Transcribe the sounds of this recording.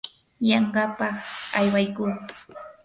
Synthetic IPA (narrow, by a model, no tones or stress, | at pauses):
jɑɴɢɑpɑχajwajkuː